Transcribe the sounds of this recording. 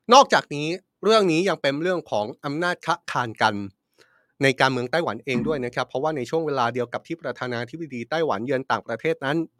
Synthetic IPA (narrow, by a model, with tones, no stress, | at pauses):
nɔː˥˩k̚t͡ɕaː˨˩k̚niː˦˥ | ɾɯ˥˩əŋniː˦˥ja˧ŋpe˧nɾɯ˥˩əŋkʰɔː˩˦ŋʔa˧mnaː˥˩t̪̚kʰa˦˥ʔkʰaː˧nka˧nː | a˧jkaː˧nmɯ˧əŋt̪aː˥˩jwa˩˦nʔeː˧ŋdu˥˩əjna˦˥kʰa˦˥pʰːɾɔ˦˥waː˥˩na˧jt͡ɕʰu˥˩əŋweː˧laː˧di˧əwka˨˩p̪̚ʰiː˥˩pɾa˧t̪ʰaː˧naː˧t̪ʰi˦˥a˧diː˧t̪aː˥˩jwa̰˩˦njɯ˧ənt̪aː˨˩ŋpɾa˧t̪ʰeː˥˩t̪̚na˦˥n